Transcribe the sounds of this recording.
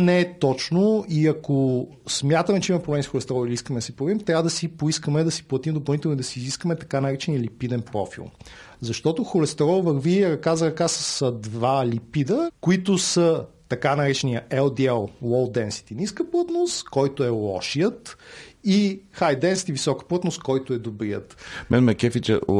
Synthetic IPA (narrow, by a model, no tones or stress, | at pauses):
nɛɛt̪ɔt͡ʃnoiɐko | smʲjat̪əmɛt͡ʃɛimɐmɛpɾoblɛmisxolɛst̪ɛɾɔlˠiliiskəmɛd̪ɐsipoɾɐvimt̪ɾʲjavəd̪ɐsipoiskəmɛd̪ɐsi̥plˠɐt̪imd̪op̬ɐlˠnit̪ɛlˠnid̪ɐsiːziskəmɛt̪ɐkanɐɾɛt͡ʃɛniəlipid̪ɛnpɾɔ̰fḭlˠ | zɐʃt̪ɔt̪oxolɛst̪ɛɾɔlˠvəɾviɾɐkazəɾɐkasəsd̪valipid̪əkoit̪ʊsə | t̪ɐkanɐɾɛt͡ʃɛniəʔɛlˠd̪iɛlˠlɔlˠd̪ɛnsi̥t̪iniskəplˠɤt̪nost̪kɔjt̪oɛlˠɔ̰ʃijət̪ixajd̪ɛnsit̪ivisɔkə̥plˠət̪nost̪kɔjt̪oɛd̪obɾijə̰t̪mɛnmɛkɛfit͡ʃə̰